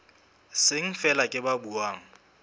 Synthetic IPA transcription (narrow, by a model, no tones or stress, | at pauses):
sɪŋ̩fɛlakʼɪbabuwaːŋ̩